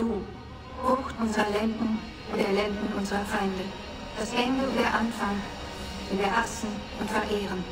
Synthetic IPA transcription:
d̥uː | hoːxtʔʊnzəʁɐlɛndn̩ | ʊndeːɐlɛndn̩ʔʊnzəʁɐfaɪndə | d̥ashɛndl̩deːɐʔanfaŋ | ɪnviːɐʔasn̩ | ʔʊntfɛɐʔeːʁən

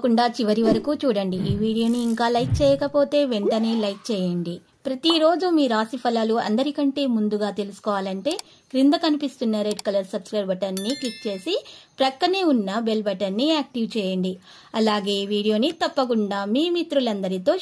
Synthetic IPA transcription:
kuɳɖaːt͡ʃiʋɐɾiʋɐɾɐkuːt͡ʃuːɽɐɳɖiiːʋiːɽijo̞ːniːŋkaːlɐjk̚t͡ʃɛːjɐkɐpo̞ːt̪e̞ːʋeɳʈɐne̞ːlɐjk̚t͡ʃɛːjɐɳɖi | pɾɐt̪iɾo̞ːd͡ʒumiːɾaːsipʰɐlɐluɐ̰nd̪ɐɾikɐɳʈe̞ːmund̪uɡaːt̪e̞lusu̥kɔːʋaːlɐɳʈe̞ː | ɡ̥ɾind̪ɐkɐnipist̪unːɐɾeɖkɐlɐɾsɐbskɾɐjbɐʈɐɾnːiklik̚t͡ʃe̞ːsipɾɐkːɐneːunːɐbelbɐʈɐɾnːiaːk̚ʈiʋt͡ʃɛːjɐɳɖi | ɐlaːɡe̞ːiʋiːɽijo̞ːnit̪ɐpːɐk̬uɳɖaːmiːmit̪ɾulɐnd̪ɐɾit̪o̞ː

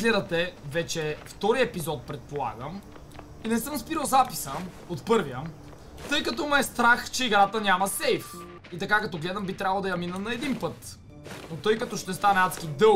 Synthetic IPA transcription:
ɡlɛd̪ət̪ɛvɛt͡ʃɛft̪ɔɾijəɛpizɔt̪̚pɾɛt̪̚polˠa̰ɡəm | inɛsɤmspiɾəwˠzapi̥sə | ot̪pɤɾvijə | t̪ɤjkɐt̪ɔmɛst̪ɾaxt͡ʃɛiɡɾat̪ənʲamɐsɛjf | it̪ɐkakɐt̪ɔɡlɛd̪ɐmbit̪ɾʲabəlˠd̪ɐjɐminənɐɛd̪inpɤt̪ | not̪ɤjkɐt̪ɔʃt̪ɛst̪anɛat̪skʲid̪ɤ

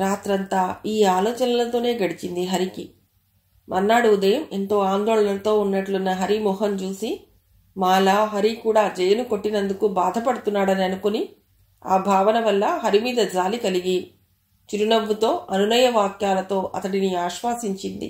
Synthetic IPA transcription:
ɾaːt̪ɾɐnt̪aːiːaːlɔːt͡ʃɐnɐlɐt̪o̞ːne̞ːɡɐɽit͡ʃind̪iɦɐɾiki | mʔɐnːaːɽuud̪ɐjɐment̪o̞ːaːnd̪oːɭɐnɐlɐt̪o̞ːunːɐʈlunːɐɦɐɾimɔːɦɐnt͡ʃuːsi | maːlaːɦɐɾikuːɽaːd͡ʒɛjɐnuko̞ʈːinɐnd̪ukubaːd̪ʱɐpɐɽut̪unːaːɽɐniɐnukoni | a̰ːbʱaːʋɐnɐʋɐlːɐɦɐɾimiːd̪ɐd͡ʒaːlikɐliɡi | t͡ʃiɾunɐbːut̪o̞ːʔɐnunɐjɐʋaːkjaːlɐt̪o̞ːʔɐt̪ɐɽiniaːʃʋaːsiɲt͡ʃind̪ḭ

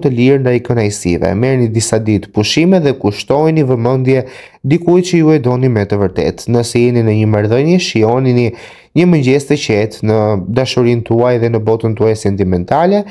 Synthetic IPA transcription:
t̪əliɾnd̪ajkənajsḭvɛ̰mɛɾnid̪isad̪it̪puʃimɛðɛkuʃt̪ɔjnivəmənd̪jɛ | d̪ikujt͡ɕəjuɛd̪ɔnimɛt̪əvəɾt̪ɛ̰t̪nəsɛjɛninəɲəmaɾðəɲɛʃiɔnini | ɲəməɲd͡ʑɛst̪əcɛt̪nəd̪aʃuɾint̪uajðɛnəbɔt̪ənt̪uajsɛnt̪imɛnt̪alɛ

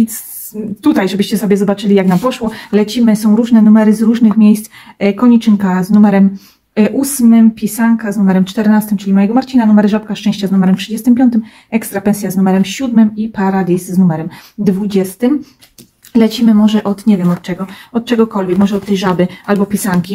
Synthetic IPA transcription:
s | t̪ut̪ajʐɛbɘɕt͡ɕɛsɔbʲjɛzɔbat͡ʂɘlʲijaknampɔʂwɔlɛt͡ɕimɘsɔ̃w̃ɾuʐnɛnumɛɾɘzɾuʐnɘxmʲjejst̪skɔɲit͡ʂɘŋkaznumɛɾɛm | ʔusmɘmpʲjisaŋkaznumɛɾɛmt͡ʂt̪ɛɾnast̪ɘmt͡ʂɘlʲimajɛɡɔmaɾt͡ɕinanumɛɾʐapkaʂt͡ʂɛ̃ɕt͡ɕaznumɛɾɛmtʂɘd͡ʑɛst̪ɘmpʲjɔnt̪ɘm | ɛkst̪ɾapɛ̃nsʲjaznumɛɾɛmɕud̪mɘmipaɾalʲisːnumɛɾɛmd̪vud͡ʑɛst̪ɘm | lɛt͡ɕimɘmɔʐɛʔɔt̪ɲevʲjɛmɔt̪̚t͡ʂɛɡɔɔt̪̚t͡ʂɛɡɔkɔlvʲɛkmɔʐɛɔt̪ːɛjʐabɘalbɔpʲjisaŋkʲi

